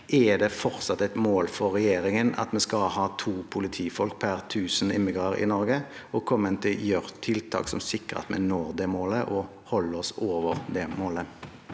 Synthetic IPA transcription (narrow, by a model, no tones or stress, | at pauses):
ʔɛd̪ɛfɔʁsɑt̪ɛt̪moːlfɔʁʁɛjeːɾɪŋənɑ̰t̪mɛskɑlhɑːt̪ʰuːpʰʊlɪt̪ʰiːfɔlk̚pʰæʁt̪ʰʉːsən̩ɪmːɪɡʁɑʁɪ̰nɔʁɡə | ɔkʰɔmːənt̪ʰɪljœʁt̪ʰɪlt̪ʰɑ̰ːksɔ̰msɪkːʁə̰t̪mɛ̰noːʁd̪ɛmoːləʔɔ | hɔlːəɔsoːʋəʁd̪ɛmoːlə